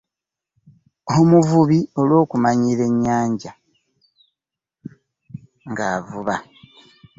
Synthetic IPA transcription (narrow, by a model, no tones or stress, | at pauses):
omuvuβio̞lwo̞ːkumaɲiːɾe̞ɲːaːɲɟa | ŋɡaːvuβa